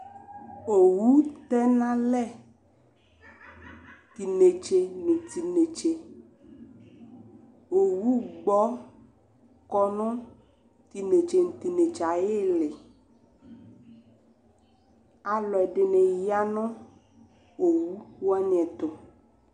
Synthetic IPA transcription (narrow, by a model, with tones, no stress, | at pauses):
o˨wu˦t̪ɛ˦nã˦lɛ˦˨ | t̪i˨ne˨t͡ʃe˨nẽ˨t̪i˨ne˨t͡ʃe˨ | o˨wu˦ɡ͡bɔ˦ | kɔ˦nʊ̃˦ | t̪i˨ne˨t͡ʃe˨n̩˨t̪i˨ne˨t͡ʃa˨je˦le˨ | a˨lɔ˨ɛ˨ɖe˨nẽ˨ja˦nɔ̃˦ | o˨wu˦wo˦a˦ɲɛ̃˨t̪o˨